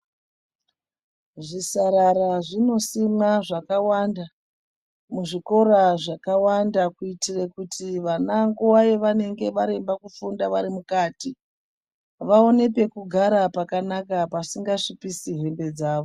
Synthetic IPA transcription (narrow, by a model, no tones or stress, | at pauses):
ʐisaɾaɾaʐino̞simaʐakawanda | muʐiko̞ɾaʐakawandakuitirekutʰiʋanaŋɡuwajeʋane̞ŋɡe̞ʋaɾe̞mbakufundaʋaɾimukaːti | ʋao̞ne̞pe̞kuɡʱaɾapakanakapasiŋɡaʂipisiɦe̞mbe̞d͡zaːʋo